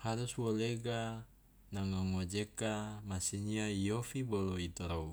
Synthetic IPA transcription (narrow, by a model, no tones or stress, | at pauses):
haɾuswoleɡa | naŋaŋod͡ʒekamasiɲiaijofiboloit̪ɔɾou